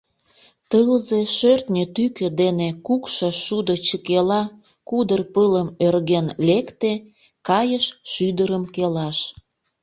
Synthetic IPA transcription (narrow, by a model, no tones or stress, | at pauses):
t̪əlzeʃørt̪nʲet̪ykød̪enekukʃəʃud̪ot͡ɕəkelɑ | kud̪ərpələmørɣenlekt̪e | kɑjəʃʃyd̪əɾəmkelɑʃ